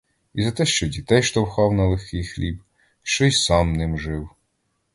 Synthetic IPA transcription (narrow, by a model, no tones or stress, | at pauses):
izɐt̪ɛʃt͡ʃɔdʲit̪ɛjʃt̪ɔwxɑwnɐlˠɪxkijxlʲib | ʃt͡ʃɔjsɑmnɪmʒɪw